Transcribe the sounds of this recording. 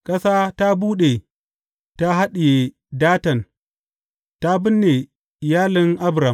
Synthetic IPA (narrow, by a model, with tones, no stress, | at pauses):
kʼɐ˦saː˦ta˦buː˦ɗe˨ | ta˦ɦa˦ɗɪ˨je˨ | daː˦tɐ˨n | ta˦bɪ˦nːe˨ | jaː˦lɪ˦ŋʔa˦bɾa˨m